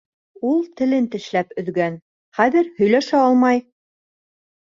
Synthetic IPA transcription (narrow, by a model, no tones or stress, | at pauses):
ulˠt̪ɘ̆lɘnt̪ɘ̆ʃlæpɵ̆ðɡæn | χæðɘɾhɵ̆jlæʃæɑlˠmɑj